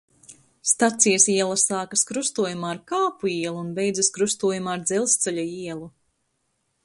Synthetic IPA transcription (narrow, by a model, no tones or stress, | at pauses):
st̪at̪sijɛsiɛlˠasaːkaskɾust̪uɔjumaːɾkaːpuiɛlˠuːnbejd̪zɐskɾust̪uɔjumaːɾd̪zɛlˠst̪sɛlʲaiɛlˠu